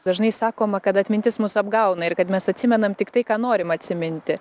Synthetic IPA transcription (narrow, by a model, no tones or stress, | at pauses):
d̪ɐʒnɐɪsɑːkoːmɐkɐt̪ɐt̪ʲmʲɪnʲt̪ʲɪsmusɐbɡɐʊnɐɪɾkɐt̪mʲɛsɐtʲsʲɪmʲɛnɐmt̪ʲɪkt̪ɐɪkɑːnoːɾʲɪmɐt̪ʲsʲɪmʲɪnʲt̪ʲɪ